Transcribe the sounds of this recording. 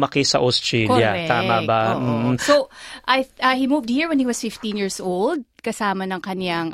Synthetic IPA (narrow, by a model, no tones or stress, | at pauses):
mɐkɪsɐʔost̪ɹɛkjɐɛt̪aːmabam̩ːsoʔajɐhimuːvd̪̚hiɹwɛ̃nhiwɐsfɪft̪ĩnjiːɹsʔold̪̚kɐsaːmɐnɐŋkɐnaŋ